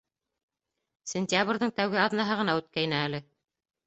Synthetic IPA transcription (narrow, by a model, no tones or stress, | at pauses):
sʲenʲt̪ʲjabrʲðɤŋt̪æwɡɘɑðnɑɦɤʁɤ̆nɑʉt̪̚kæjnæælɘ